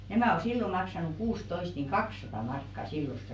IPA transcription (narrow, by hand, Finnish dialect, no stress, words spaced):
næmæˑ o silːo mɑksɑnuk kuːstoist niːŋ kɑksˑɑtɑˑ mɑrkːɑ silːost